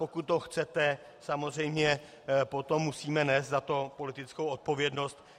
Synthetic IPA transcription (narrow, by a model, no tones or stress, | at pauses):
po̞kut̪̚ːo̞xt͡sɛt̪ɛ | samo̞zr̝ɛjmɲɛ | po̞t̪o̞mːusiːmɛnɛːst̪zat̪o̞po̞lɪt̪ɪt͡skowʔot̪̚po̞vjɛdno̞st̪